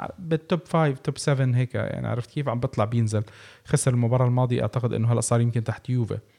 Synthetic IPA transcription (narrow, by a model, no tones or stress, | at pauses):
ʕ̰bɪt̪ːobfaːjvt̪obsɛvɪnɦeːkja̰ʕnḭʕɑ̰ɾˤɑft̪keːfʕambɨt̪ˤlɑʕbjɪnzɪlxɑsɾɪlmʊbɑːɾˤɑlmɑːd̪ˤiʔa̰ʕt̪aqɪd̪ʔɪ̰nːʊɦælːæʔsˤɑːɾjɪmkɪnt̪aħt̪juːvḛ